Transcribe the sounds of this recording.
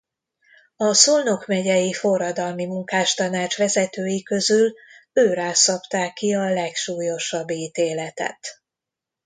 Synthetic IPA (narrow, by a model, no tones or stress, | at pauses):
ɒsulno̞kmɛɟɛjifo̞rːɒd̪ɒlmimuŋkaːʃt̪ɒnaːt͡ʃʋɛzɛt̪øːjikø̞zyløːɾaːsɒpt̪aːkːiɒlɛkʃuːjo̞ʃɒbːiːt̪eːlɛt̪ɛ̰t̪